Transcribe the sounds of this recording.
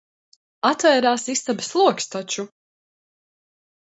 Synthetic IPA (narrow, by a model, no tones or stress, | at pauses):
at̪vɛːɾaːsist̪abslˠuɔkst̪at͡ʃu